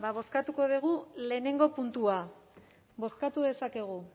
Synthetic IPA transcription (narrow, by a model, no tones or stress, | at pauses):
baβ̞o̞skat̪uko̞ðiɣ̞ule̞ːne̞ŋɡo̞punt̪ua | bo̞skat̪uðe̞sake̞ɣ̞u